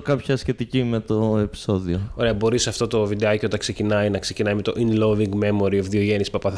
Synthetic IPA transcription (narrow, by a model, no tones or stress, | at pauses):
kɐpçɐsçe̞t̪icime̞t̪oepi̥so̞ðioo̞ɾe̞ɐbo̞ɾisɐft̪o̞t̪ovid̪eɐceo̞t̪ɐkse̞cinɐjnɐkse̞cinɐjme̞t̪o̞̰ʔinlo̞viŋɡme̞mo̞ɾiofðio̞ʝe̞nispɐpɐ